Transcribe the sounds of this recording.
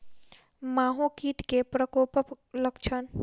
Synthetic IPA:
maːɦõkiːʈkepɾəkoːpəp | ləkt͡ʃʰən

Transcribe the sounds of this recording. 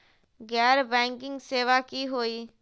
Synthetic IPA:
ɡɛːɾbɛ̃ːŋkɪ̃ŋɡseːʋaːkiɦoːiː

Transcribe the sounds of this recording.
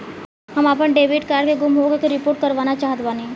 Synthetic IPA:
həmap̬əɳɖeʋiʈkaɾkeɡumɦokekɾipoːɾʈ̚kəɾʋanat͡ʃaɦət̪bane

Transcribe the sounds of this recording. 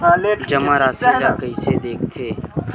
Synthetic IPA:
d͡ʒɐmãɾaːsiɾakəised̪eːk̚ʰt̪ʰeː

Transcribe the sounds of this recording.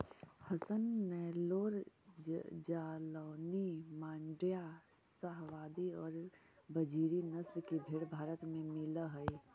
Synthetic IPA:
həsənːɛːloːɾ | d͡ʒaːloːnimaːɳɖijasəɦʋaːd̪iɔːɾ | bəd͡ʒiːɾinɐslkibʱeːɽbʱaːɾət̪mẽmɪləɦəi

